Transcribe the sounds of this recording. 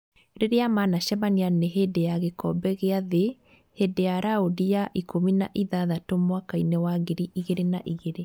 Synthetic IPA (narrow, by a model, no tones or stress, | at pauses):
ɾeɾeamanaʃɛβanianeɦedejaɣekɔbɛɣeaðe | hedejaɾaodijaʔikʰomina̰ʔiðaðatomwakainɛwaɣeɾiʔiɣeɾenaʔiɣeɾe